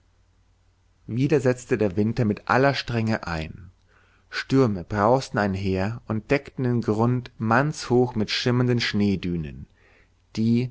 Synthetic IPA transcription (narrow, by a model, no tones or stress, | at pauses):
viːdɐzɛt͡stədeːɐvɪntɐmɪtʔa̰lɐʃtʁ̥ɛŋəʔa̰ɪn | ʃtʏɐməb̥ʁaʊstn̩aɪnɦeːɐʊnt̚d̥ɛktn̩deːnɡʁʊntmant͡shoːxmɪtʃɪmɐndənʃneːdyːnə̰n | d̥iː